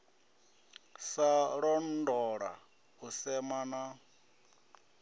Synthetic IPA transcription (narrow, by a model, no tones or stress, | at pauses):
saɺɔndɔɺa̰ | usɛmana